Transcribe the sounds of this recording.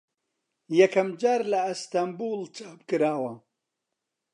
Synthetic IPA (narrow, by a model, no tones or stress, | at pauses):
jɐkɐmd͡ʒaːɾlɐst̪ambuːlt͡ʃʰaːpkɨɾaːwɐ